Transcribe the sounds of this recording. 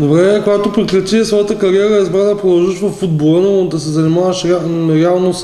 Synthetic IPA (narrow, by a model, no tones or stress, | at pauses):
d̪obɾɛkoɡat̪opɾiklʲut͡ʃisvɔjət̪əkɐɾiɛɾəizbɾad̪ɐpɾod̪ɐlˠʒəʃvɐfːud̪̚bolˠənod̪ɐsɛzɐnimavɐʃɾaɾialˠnos